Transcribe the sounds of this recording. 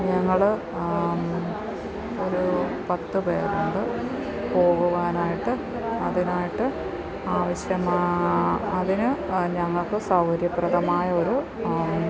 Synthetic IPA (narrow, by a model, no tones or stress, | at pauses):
ɲɐŋːɐɭ | o̞ɾupɐt̪ːɨpḛːɾuɳɖɨ | po̞ːɣuʋaːnaːjiʈːɨ | ɐðinaːjiʈːɨ | aːʋɐɕjɐmaːɐðinɨɲɐŋːɐɭkɨsɐwhɐɾjɐpːrɐðɐmaːjɐo̞ɾu